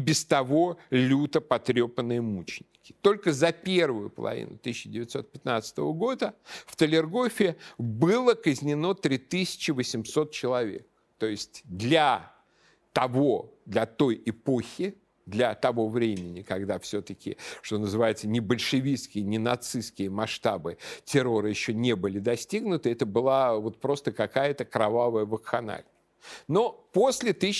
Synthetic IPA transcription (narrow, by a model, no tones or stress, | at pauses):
bʲɪst̪ɐvo̞lʲut̪əpɐt̪ɾʲopənɨjəmut͡ɕɪnʲːɪkʲɪ̥t̪o̞lʲkəzɐpʲe̞rvəjʊ̰pə̰lˠɐ̰vʲḭnʊ̰t̪ɨsːɪdʲɪvʲɪt̪so̞t̪̚pʲɪt̪nat̪sə̥t̪əvəɡo̞d̪əft̪əlʲɪrɡo̞fʲɪbɨlˠəkəzʲnʲɪno̞t̪ɾʲit̪ɨsʲɪ̥t͡ɕɪvəsʲɪmso̞t̪̚t͡ɕɪlˠɐvʲḛk̚ | t̪o̞jɪsʲtʲd̪lʲɐ | t̪ɐvo̞d̪lʲɐt̪o̞jɪpo̞xʲɪ | d̪lʲɐt̪ɐvo̞vɾʲemʲɪnʲɪkɐɡd̪afsʲot̪əkʲɪ̰ʂt̪o̞nəzɨvajɪt̪sənʲɪbəlʲʂɨvʲiskʲɪjənʲɪnɐt̪sɨskʲɪjəmɐʂt̪abɨtʲɪɾo̞ɾɨjɪɕːonʲebɨlʲɪd̪ɐsʲtʲiɡnʊt̪ɨɛt̪əbɨlˠavo̞t̪̚pɾo̞st̪əkɐkajət̪əkɾɐvavəjəvəkxɐna̰lʲ | no̞po̞sʲlʲɪt̪ɨ